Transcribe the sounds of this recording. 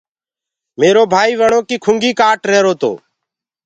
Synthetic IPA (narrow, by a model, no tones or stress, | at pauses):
meːɾoːbʱaːiːʋəɳoːkiːkʰʊŋɡiːkaːʈɾeːɾoːt̪o̰ː